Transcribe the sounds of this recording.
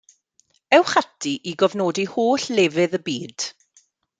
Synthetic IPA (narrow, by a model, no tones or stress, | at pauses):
ɛwχatʰiʔiɡɔvnoːdihoːɬleːvɨðəbiːd̥